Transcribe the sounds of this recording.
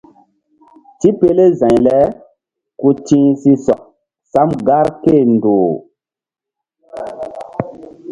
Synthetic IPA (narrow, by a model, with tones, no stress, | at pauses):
ti˦pe˦le˦zã˨jlɛ˦ | ku˦tĩ˦si˦swa̰˨ | sa˦mɡa˦ɾke˦˨ndo˨